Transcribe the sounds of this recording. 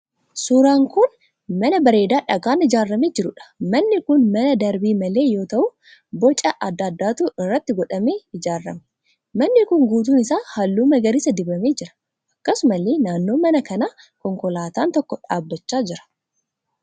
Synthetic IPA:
suːɾaːŋkʊn | mɐnɐbɐɾe̞ːd̪aːᶑɐɡaːnɪd͡ʒaːrːɐmeːd͡ʒɪɾʊᶑɐ̥mɐnːɪkʊnmɐnɐd̪ɐɾbiːmɐle̞ːjo̞ːt̪ɐʔʊ | bɔt͡ʃʼɐʔɐd̪ːɐːd̪ːaːt̪uːɪrːɐt̪ːɪɡɔᶑɐmeːɪd͡ʒaːrːɐmɛ | mɐnːɪkʊŋɡuːt̪̬uːnɪsaːhɐlːuːmɐɡɐɾɪsɐd̪ɪbɐmeːd͡ʒɪɾɐ̥ | ʔɐkːɐsʊmɐleːnaːnːo̞ːmɐnɐkɐnaː | kɔŋkɔlaːt̪aːnt̪ɔkːɔᶑaːbːɐt͡ʃːaːd͡ʒɪɾɐ̥

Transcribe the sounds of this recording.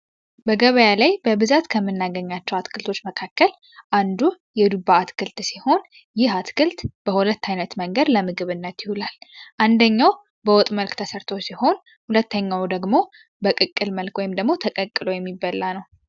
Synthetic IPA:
bəɡəβəjalajbəbɨzat̪kʰəmːɨnːaɡəɲːat͡ʃːɛwat̪kʰɨlt̪ʰo̞t͡ʃːməkʰakːəl | ʔand̪u | jɛd̪ubaat̪kʰɨlt̪siho̞n | jɪhat̪kʰɨlt̪b̥əhulət̪ːajnət̪məŋɡəd̪ləmɨɡɨβɨnːət̪jɪhulalʔand̪əɲːaw | bəwɔt̪ʼməlkt̪ʰəsəɾt̪ʰo̞siho̞n | hulət̪ːəɲːawd̪əɡmo̞ | bəkʼɨkʼːɨlməlkwɔjɪmd̪əɡmo̞t̪ʰəkʼəkʼːɨlo̞jɛmːibːəlːanəw

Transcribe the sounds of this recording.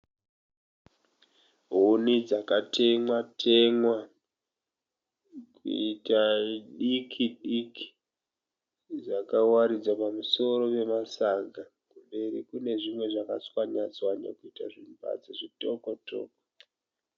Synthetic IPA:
ɦonid͡zakatʰe̞mwatʰe̞mwa | kṵitaɗikʰiɗiki̥ | d͡zakawaɾid͡zwapamuso̞ɾo̞pe̞masaɡakumbe̞rikune̞ʐimwe̞ʐakat͡swaɲat͡swaɲa̰kuita̰ʐimba̰d͡ziʐitokoto̰ːko

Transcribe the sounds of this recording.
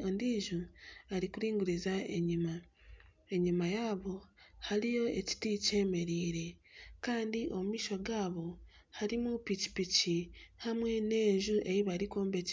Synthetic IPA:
ondiːʒuaɾikuɾiːŋɡuɾizaea | eɲumajaːβo̞halijo̞e̞ci̥tice̞ːme̞ɾiːɾe̞kaːndiʔo̞mmiːʃo̞ɡaːβo̞ | haɾimupici̥picihamwe̞ne̞ːʒuʔe̞jiβaɾikoːmbe̞c

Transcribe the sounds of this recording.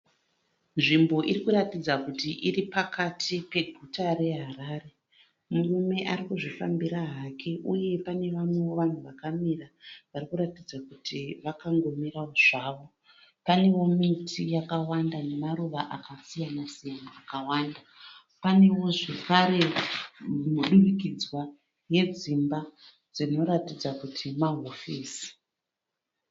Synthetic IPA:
nʐimbo̞ʔirikuratid͡zakutiʔiripakʰatʰipe̞ɡʱutaɾe̞ɦaɾaːre̞ | murume̞ʔaɾikuʐifambiɾaɦakʰe̞ʔuje̞pane̞ʋamwewo̞ʋan̤uʋakamiraʋarikuɾatid͡zakutʰiʋakaŋɡo̞mirawoʐ̥aːʋo̞ | pane̞wo̞mitʰijakawandane̞maɾuʋaʔakasijanasijanaːkawaːnda | pane̞wo̞ʐe̞kaɾe̞ | muɗumikid͡zwa | je̞d͡zimba | d͡zino̞ɾatid͡zakutʰimaɦofiːsi̥

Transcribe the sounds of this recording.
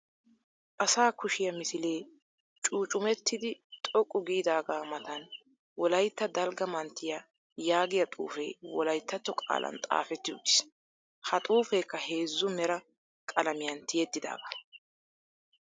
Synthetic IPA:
ʔɐsaːkʊʃɪjɐmɪsɪle̞ː | t͡ʃʼuːt͡ʃʼʊmɛt̪ʰːɪd̪ɪt̪ʼɔkʼːʊɡiːd̪aːɡaːmɐt̪ɐn | wɔlɐjt̪ːɐd̪ɐlɡɐmɐnt̪ːɪjɐ | jaːɡɪjɐt̪ʼṵːfḛːwɔlɐjt̪ʰːɐt̪ːɔkʼa̰ːlʔɐ̰nt̪ʼa̰ːfɛt̪ːɪʊ̰t̪ːɪ̥s | hɐt̪ʼuːfeːkːɐheːzːʊmɛɾɐ | kʼɐlɐmɪjɐnt̪ʰɪjɛt̪ːɪd̪a̰ːɡɐ

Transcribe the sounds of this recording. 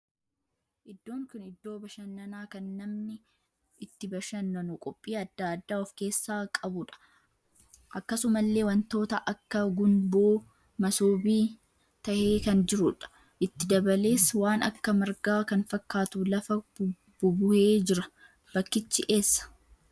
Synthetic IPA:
ʔɪd̪ːo̞ːŋkʊnɪd̪ːo̞ːbɐʃɐnːɐnaːkɐnːɐmnɪ | ɪt̪ːɪbɐʃɐnːɐnʊkʼɔpʼːiːɐd̪ːaːɐd̪ːaːɔfke̞ːsːaːkʼɐbʊᶑɐ̥ | ʔɐkːɐsʊmɐlːeːwɐnt̪o̞ːt̪ɐʔɐkːɐɡʊnbo̞ː | mɐsoːbiː | t̪ɐhe̞ːkɐnd͡ʒɪɾʊᶑɐ̥ | ʔɪt̪ːɪd̪ɐbɐle̞ːswaːnɐ̰kːɐmɐɾɡaːkɐnfɐkːaːt̪ulɐfɐ | b̥ʊbʊhe̞ːd͡ʒɪɾɐ | b̥ɐkːɪt͡ʃːɪʔe̞ːsːɐ̥

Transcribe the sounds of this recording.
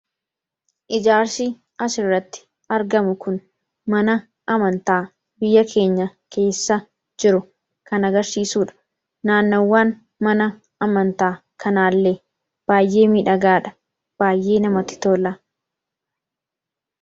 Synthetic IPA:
ʔɪd͡ʒaːɾsi | ɐsɪrːɐt̪ːɪ̥ | ɐɾɡɐmʊkʊn | mɐnɐ | ɐmɐnt̪aː | bɪjːɐkʰe̞ːɲːɐke̞ːsːɐ | d͡ʒɪɾʊ | kɐnɐɡɐɾsiːsuːᶑɐ̥ | naːnːoːwːaːn | mɐnɐ | ɐmɐnt̪aː | kʰɐnaːlːe | b̥aːjʔe̞ːmiːᶑɐɡaːᶑɐ̥ | b̥aːjʔe̞ːnɐmɐt̪ːɪ̥t̪oːlɐ

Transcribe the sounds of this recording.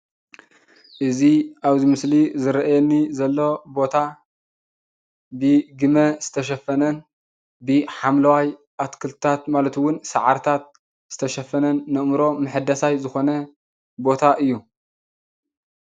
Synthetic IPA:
ʔɨziʔaβzimɨslizɨɾɐʔajɛnːizɐlːo̞bo̞t̪ʰa | bɨɡɨmɐz̥ɨ̥t̪ʰɐʃ̬ɐfɐnɐn | bɨħamlɐwaj | ʔat̪kʰɨlt̪t̪ʰat̪malɐt̪wʊnsɐʕaɾt̪ʰat̪̚ | z̥ɨt̪ʰɐʃɐfɐnɐnːɨʔmɾo̞mɨħɨd̪asajzɨxo̞nɐ | bo̞t̪ʰaʔɨjːu

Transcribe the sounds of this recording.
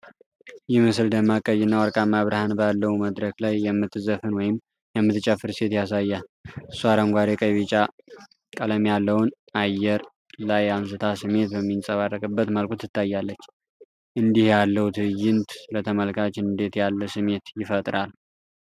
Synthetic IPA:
jɛmɨsɨld̪əmːakʼəjɪnːawəɾkʼamːaβɾahanbəjalːəhuməd̪ɾəklajːɛmːɨt̪ʰːɨzəfɨnwɔjɪm | jɛmːɨt̪t͡ʃʼəfɨɾse̞t̪jasajːaɨsːuaɾəŋɡʷaɾekʼəβit͡ʃʼa | kʼələmjalːəwʊn | ajːɛɾ | lajams̬ɨt̪ʰasɨmːe̞t̪̚bəmːinsʼəβarːəkʼɨbːət̪məlkʰut̪ːɨt̪ːajːalːət͡ʃː | ʔɨnd̪ihjalːəhut̪ʰɨjːɪnt̪lət̪ʰəməlkʰat͡ʃɨnd̪e̞t̪jalːəsɨme̞t̪jɪfət̪ʼɾal

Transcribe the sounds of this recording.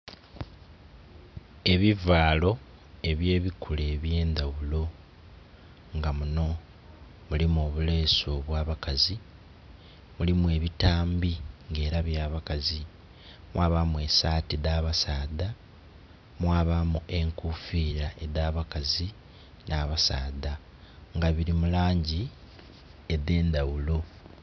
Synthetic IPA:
e̞βivaːlo̞ | e̞βje̞ːβikʰule̞ːβje̞ːnd̪awulo̞ | ŋɡamuno̞ | mulimo̞βule̞ːso̞βwaːβakazi | mulimwe̞ːβitaːmbiŋɡe̞ːɾaβjaːβakazi | mwaːβamue̞saːtidaβasaːda | mwaːβamue̞ŋkufiːɾaʔe̞daːβakazi | nʔaːβasaːda | ŋɡaβiɾimulaːɲɟi | eðe̞ːndawulo̞

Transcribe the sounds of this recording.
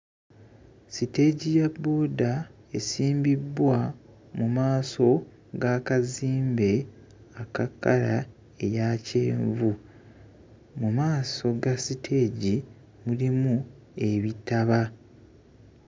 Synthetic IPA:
site̞ɟijabːoːda | esiːmbibwa | mumaːso̞ | ɡaːkaziːmbe̞ | akakːa̰la | e̞jaceːɱvu | mumaːso̞ɡasitʰe̞ːɟi | mulimu | e̞βitaβa

